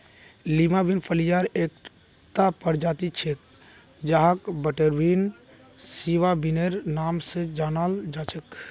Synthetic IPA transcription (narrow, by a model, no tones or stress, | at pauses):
limabinpʰəlijaɾek | t̪apəɾd͡ʒat̪it͡ʃʰek̚ | d͡ʒaɦakbəʈeɾbin | siʋabineɾnamsẽd͡ʒaːnald͡ʒat͡ʃʰek